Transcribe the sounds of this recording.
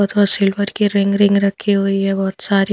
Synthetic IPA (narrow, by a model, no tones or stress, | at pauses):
ɔːt̪bɔsɪlʋəɾkiɾɪ̃ŋɡɾɪ̃ŋɡɾɐkʰːiɦuiɦɛbɔːt̪saːɾi